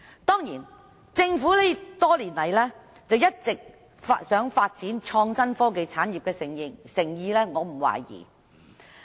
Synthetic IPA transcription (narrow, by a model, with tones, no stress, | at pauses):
t̪ɔː˥ŋjiː˨˩n | t͡sɪ˧ŋfuː˨˥le˥t̪ɔː˥liː˨˩nlɐ˨˩jlɛː˥ | t͡sɐ˨wjɐ˥t̚t͡sɪ˨k̚ | fsœː˨˥ŋfaː˧t̚t͡siː˨˥nt͡ʃʰɔː˧ŋsɐ˥nfɔː˥k̬e˨˧jt͡sʰaː˨˥njiː˨p̚kɛː˧sɪ˨˩ŋjɪ˨˩ŋsɪ˨˩ŋjiː˨˧lɛː˥ŋɔː˨˧m̩˨˩wa̰ː˨˩jḭː˨˩